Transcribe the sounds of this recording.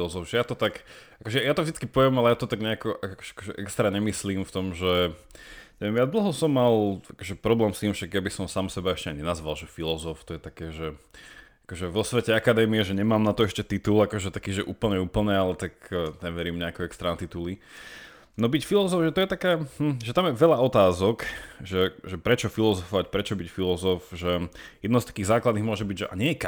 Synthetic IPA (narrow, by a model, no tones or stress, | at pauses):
lɔzɔvʒɛjat̪ɔt̪akakɔʒɛjat̪ɔvʒd̪it͡skipɔʋjɛmalɛjat̪ɔt̪aɡɲɛakɔʔakakɔ̥ʒɛakɔʒɛʔɛkst̪ɾaɲɛmisliːmft̪ɔmʒɛ | ɲɛʋjɛmjad̪l̩ɦɔsɔmːalakɔʒɛpɾɔblɛːmst̪iːmfʃaɡjabisɔmsaːmsɛbaɛʃcɛaɲɲɛnazʋalʒɛfilɔzɔft̪ɔjɛt̪akɛːʒɛ | akɔʒɛʋɔsʋɛcɛakad̪ɛːmiɛʒɛɲɛmaːmnat̪ɔɛʃcɛt̪it̪ulakɔʒɛt̪akiːʒɛʔuːpl̩ɲɛuːpl̩ɲɛalɛt̪akːɲɛʋɛɾiːmɲɛakɛɛkst̪ɾaːnt̪it̪uli | nɔbicfilɔzɔfʒɛt̪ɔjɛt̪akɛːhm̩ʒɛt̪amjɛʋɛʎaɔt̪aːzɔkʒɛʒɛpɾɛt͡ʃɔfilɔzɔfɔʋacpɾɛt͡ʃɔbicfilɔzɔfʒɛjɛd̪nɔʊst̪ḁkiːɣzaːklad̪niɦmʊɔʒɛbiɟʒɛʔa̰ɲɛjɛk